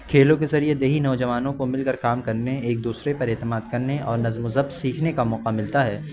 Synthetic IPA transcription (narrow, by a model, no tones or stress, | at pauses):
kʰeːlõkezɐɾied̪eːɦinɐːd͡ʒɐʋaːnõkomɪlkɐɾkaːmkɐɾneeːk̚d̪uːsɾepɐɾɛːt̪əmaːd̪kɐɾneɔːɾnɐzmʊzəbsiːkʰnekamɔːqamɪlt̪aɦɛː